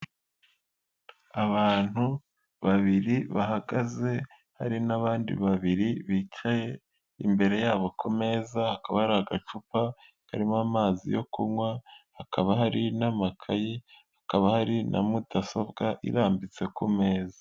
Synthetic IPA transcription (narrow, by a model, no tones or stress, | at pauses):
aβaːn̥hu | βaβiɾiβaɦaɡaze̞ | haɾinaβaːndḭβaβiɾiβit͡ʃaje̞ | ḭmbe̞ɾe̞jaːβo̞kʰome̞ːzahakaβahaɾihaɡat͡ʃupa | kaɾimamaːzḭjo̞kuŋwahakʰaβaɦaɾinamakʰajihakaβahaɾinʔa̰mudaso̞bɡaʔḭɾaːmbit͡se̞kumeːzḁ